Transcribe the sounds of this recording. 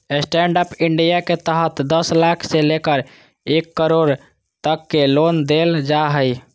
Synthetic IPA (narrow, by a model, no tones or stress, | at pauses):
esʈeɳɖəpiɳɖijaket̪əɦət̪d̪əslakʰselekəɾ | ekːəɾoɽ | t̪əkːelond̪eld͡ʒaɦəj